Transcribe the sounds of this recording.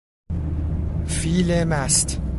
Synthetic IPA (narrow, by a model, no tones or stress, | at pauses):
fiːlemæst̪